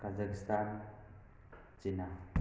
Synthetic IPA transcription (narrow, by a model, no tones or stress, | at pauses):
kazəkst̪an | t͡ʃina